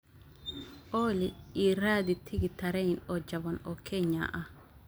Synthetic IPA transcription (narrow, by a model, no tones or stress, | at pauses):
ʔoːlɪiːraːd̪ɪt̪ʰːɪɡɪt̪ːɐɾɛjnɔd͡ʒːɐbɔnɔkʰːeːɲːa̰ːʔɐ